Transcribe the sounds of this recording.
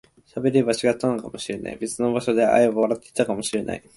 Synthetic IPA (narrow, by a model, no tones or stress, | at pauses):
ɕabe̞ɾe̞bat͡ɕiɡat̪ːanokamo̞ɕiɾe̞na̰ḭbe̞t͡sɨno̞baɕo̞d̪e̞ʔa̰iβaɾat̪ːei̥t̪akamo̞ɕiɾe̞na̰i